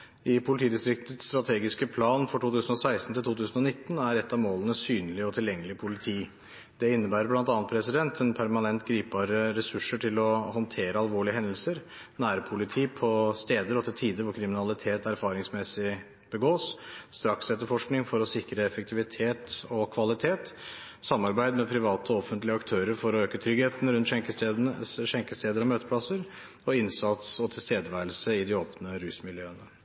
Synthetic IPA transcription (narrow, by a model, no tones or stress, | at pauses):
ɪpʰʊlɪt̪ʰiːd̪ɪst̪ɾɪkt̪ət̪st̪ɾɑt̪ʰeːɡɪskəpʰlɑːnfɔʈʰuːt̪ʰʉːsən̩ɔsæɪst̪n̩t̪ɪlt̪uːt̪ʉːsn̩ɔnɪt̪ːn̩æɾɛt̪ːɑʋmoːlənəsyːnlɪɔt̪ʰɪljɛŋːəlɪpʰʊlɪt̪ʰiː | d̪ɛɪnːəbæːɾəblɑnt̪ɑːnət̪̚pʰɾɛsɪd̪ɛnt̪ʰɛnpʰæɾmɑnɛnt̪ɡɾiːp̚bɑːɾəɾɛsʉʂəʈʰɪlɔhɔnt̪ʰeːɾəɑlʋoːɭɪəɦɛnd̪əl̩səɾ | næːɾpʰʊlɪt̪ʰiːpʰɔst̪eːd̪əɾɔt̪ʰɪt̪ʰiːd̪əɾʋʊɾkʰɾɪmɪnɑlɪt̪ʰeːt̪æɾfɑːɾɪŋsmɛsɪ | b̥əɡoːsst̪ɾɑksɛt̪ːəɾfɔʂknɪŋfɔɾɔsɪkɾəɛfəkt̪ʰɪʋɪt̪ʰeːt̪ɔkʰʋɑlɪt̪ʰeːt̪ | sɑmːɑɾbæɪd̪mɛpʰɾɪʋɑːt̪ɔɔfənt̪lɪəɑkt̪ʰøːɾəɾfɔɾɔøːkət̪ʰɾʏɡheːt̪ən̩ɾʉnt̪ɛŋkə | ʃɛŋkəst̪eːd̪əɾɔmøːt̪əpʰlɑsəɾ | ɔɪnsɑt̪sɔt̪ʰɪlst̪eːd̪əʋæɪəlsəɪd̪ɪoːpnəɾʉːsmɪljøːənə